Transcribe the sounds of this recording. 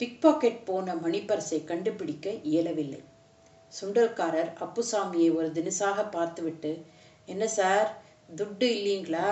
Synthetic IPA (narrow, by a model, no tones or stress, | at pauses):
pɪk̚paːkeʈ̚poːnɐmɐnɪpːɐɾɐsɐɪkɐɳɖɯpːɪɽɪkːɐʔɪjɐlɐʋɪlːɐ̰ɪ | sʊɳɖɐlkaːɾɐɾɐpːɯsaːmɪjɐɪɔɾɯd̪ɪnɯsaːɣɐpːaːɾt̪ɯʋɪʈːɯ | ɛnːɐsaːɾ | d̪ʊɖːɯɪlːiːŋɡɐɭaː